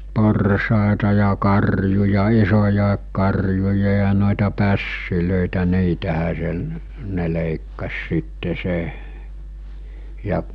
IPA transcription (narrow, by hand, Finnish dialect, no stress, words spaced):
porsɑˑetɑ jɑ kɑrjujɑ isojɑˑek kɑrjujɑ jɑ noˑetɑ pæsːiløˑitæ niːtæhæ se ne leˑikːɑs sitːe se jɑ